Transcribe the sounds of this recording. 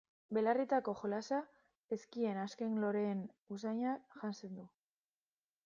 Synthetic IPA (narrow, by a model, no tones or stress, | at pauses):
be̞larit̪ako̞xolasa | e̞skie̞naske̞ŋlo̞ɾe̞ːnus̬aɲaʝanse̞nd̪u